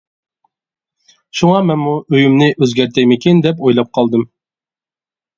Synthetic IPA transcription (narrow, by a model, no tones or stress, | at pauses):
ʃuŋɑmɛnmuʔøjymnɪʔøzɡʲæɾt̪ʰɛjmɪkʲind̪ɛp̬ojlˠɑp̚qʰɑlˠd̪ɨm